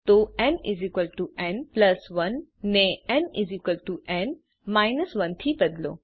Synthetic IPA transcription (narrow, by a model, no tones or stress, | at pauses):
t̪oɛ̃nizikəlʈuʔɛ̃nplɐsʋɐnːẽɛ̃nizikəlʈuʔɛ̃nɖ | maɪnəsʋɐ̃nt̪ʰibɐd̪lo̰ː